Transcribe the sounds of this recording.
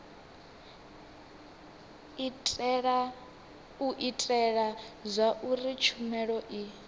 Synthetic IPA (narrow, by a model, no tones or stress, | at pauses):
ɺa | uʔitʼɛɺazʷaʔurit͡ʃʰumɛɺɔʔi